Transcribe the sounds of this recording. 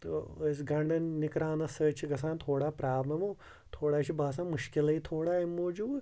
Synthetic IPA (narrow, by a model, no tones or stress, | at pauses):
t̪o̰əs̬ɡɐ̃ɳɖɐnnɪkɾaːnɐsəːt͡ʃʰiɡɐs̬ãːnt̪ʰoːɽaːpɾaːblɐmoː | t̪ʰoːɽaːʃibaːsãːmʊʃkɪlɐit̪ʰoːɽaːimːoːd͡ʒuːb